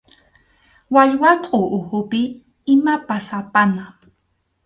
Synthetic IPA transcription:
waʎwaqʼʊʔʊhʊpɪ | ɪmapasapana

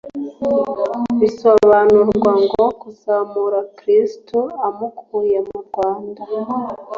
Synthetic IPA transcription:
βisoβanuɾɡwaŋɡoakuzamuɾakɾistoamukʰujemuɾɡwaːnda

